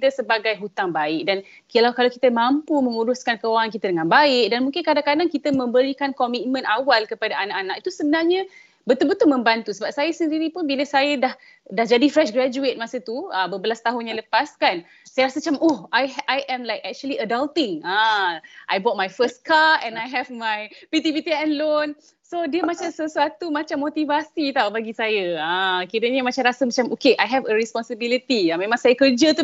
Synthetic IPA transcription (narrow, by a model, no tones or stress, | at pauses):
d̪əsəbaɡajɦut̪aŋbaɪk̚dan | kəlawkalawkit̪əmampumə̃ŋuɾuskankəwaŋankit̪adəŋãnbaɪk̚danmũŋkɪnkadãŋkadaŋkit̪əmə̃mbəɾikankɔmit̪̚mə̃nawalkəpadaanaʔanaʔit̪usəbənarɲa | bət̪ubət̪umə̃mbant̪usəbap̚sajasəndiɾipʊnbiləsajadah | dahd͡ʒadifɾɛʃɡɾad͡ʒuet̪̚mãsət̪uəbəbəlast̪aɦʊnɲãləpaskan | sajəɾasət͡ʃamohajʔajʔɛ̃mlajkɛk̚t͡ʃuəliədalt̪ɪŋãʔajbɔt̚majfəst̚katɛ̃najɦɛvmajpit̪̬ibit̪iɛ̃nlon | sodiəmat͡ʃamsəsuat̪umat͡ʃamːot̪ivasit̪awbaɡisajəãkiɾəɲəmat͡ʃamɾasəmat͡ʃamʔokeʔajɦɛvəɾispɔnsəbilit̪iamẽmãŋsajakərd͡ʒət̪u